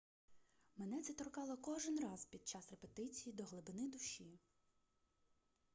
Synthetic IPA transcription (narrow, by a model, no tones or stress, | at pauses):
menɛt͡s̪ʲɛt̪ɾɔkɑlˠɔkɔʒɪnrɑzpʲid̪̚t͡ʃɑsrepet̪ɪt͡sʲijid̪ɔɦlˠɪbɪnɪd̪ʊʃʲi